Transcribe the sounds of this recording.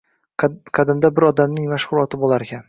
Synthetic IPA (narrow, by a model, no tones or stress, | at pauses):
qʰɑd̪ɪmd̪abɪɾɒd̪amnɪŋmaʃχʊlˠɒt̪ʰɪbolˠaɾekʲʰan